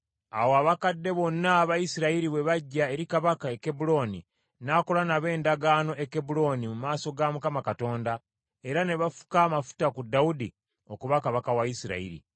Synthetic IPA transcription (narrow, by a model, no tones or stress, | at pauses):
a̰woaβakadːe̞βo̞nːaːβajisiɾaiɾiβwe̞βaɟːae̞ɾikaβakae̞ke̞bulo̞ːni | naːkolanaβe̞ːndaɡaːno̞ʔeke̞bulo̞ːnimumaːso̞ɡamukamakato̞ːnda | e̞ɾane̞βafu̥kaːmafu̥takudːaudi | o̞kuβakaβakawaisiɾa̰ḭɾḭ